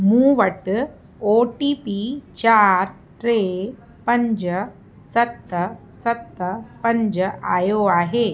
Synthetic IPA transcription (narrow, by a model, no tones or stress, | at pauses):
mũːʋəʈ | oʈiːpit͡ɕaːɾ | ʈɾe | pəɲd͡ʑə | sɐt̪ːə | sɐt̪ːəpəɲd͡ʒəʔajoaːɦe